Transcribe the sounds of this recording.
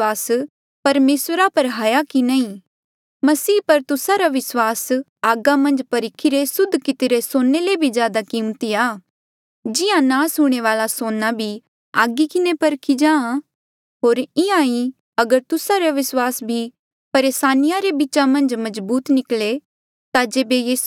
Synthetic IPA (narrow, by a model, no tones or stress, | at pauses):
aːs | pɐɾmeːswəɾapɐɾɦaːjakinɐːĩ | mɐsiːpɐɾt̪ʊsaɾaʋɪswaːs | aːɡamɐ̃nd͡ʒpɐɾɪkʰiɾesʊd̪ʱːkɪt̪ɪɾesoːnːelebʱid͡ʒjaːd̪akiːmt̪iaː | d͡ʒɪjãnaːsuɽ̃eʋaːlasoːnabʱi | aːɡikɪnepɐɾkʰid͡ʒãːã | ɦoːɾɪãːĩ | ɐɡəɾt̪ʊsaɾaʋɪswaːsbʱi | pɐɾeːsaːnɪjaɾebit͡ʃamɐ̃nd͡ʒmɐzbuːt̪nɪkle | t̪ad͡ʒeːbejiːs